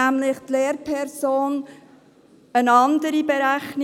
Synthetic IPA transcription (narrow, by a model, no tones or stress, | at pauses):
æmlɪχt̪leːɾpʰɛɾsoːn | ənɑnd̪əɾibeɾæχn